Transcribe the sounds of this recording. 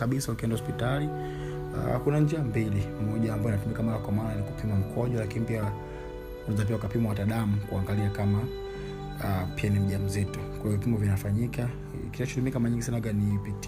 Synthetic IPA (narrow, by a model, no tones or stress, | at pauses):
aɓisaukiɛndahɔspitali | a̰kunand͡ʒiambilimmɔʄaːmbaɔinatumikamɔɾakwamaɾanikupimwam̩kʰɔʄwalakinipia | unɛzapiaukapimawataɗamukuaŋɡaliakama | pianim̩ʄam̩zitɔkwaiɔvipimbɔvinafaɲika | kiʃat͡ʃɔ̥tumiakamaɲiŋɡisanaɡanipit